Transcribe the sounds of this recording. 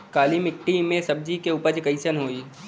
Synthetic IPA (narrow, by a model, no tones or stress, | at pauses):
kaːlimɪk̚ʈimẽsɐb̚d͡ʒikeuːpəɾd͡ʒkəɪsənɦoːiː